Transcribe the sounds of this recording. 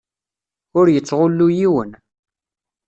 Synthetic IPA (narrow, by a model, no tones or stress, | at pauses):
ʊɾjət͡sːʁʊlːujiwən